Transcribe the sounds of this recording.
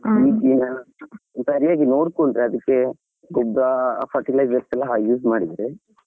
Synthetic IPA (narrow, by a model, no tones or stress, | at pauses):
iːkinɐnssɐɾijaːɡinoːɽkoɳɖɾeɐd̪ɐkːe̞ | ɡɔbɾɐpʰɐɾʈilɐjzʋɐɾsɛlːɐɦaɡjuːsmaːɽid̪ɾe